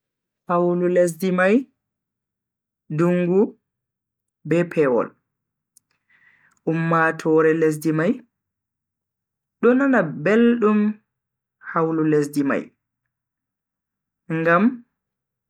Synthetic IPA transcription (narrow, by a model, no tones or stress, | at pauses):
hawlules̬dimaj | duŋɡu | bɛpʰɛwɔ̰l | ʔumːatʰɔːɾɛles̬dimaj | ɗɔnanabelɗum | hawlules̬dima̰j | ŋɡam